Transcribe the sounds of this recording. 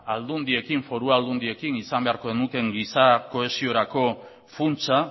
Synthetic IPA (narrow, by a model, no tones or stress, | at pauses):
ald̪und̪ie̞kiɱfo̞ɾuald̪und̪ie̞kinisambe̞aɾko̞ðenuke̞ŋɡisako̞e̞sio̞ɾako̞ | funt͡sa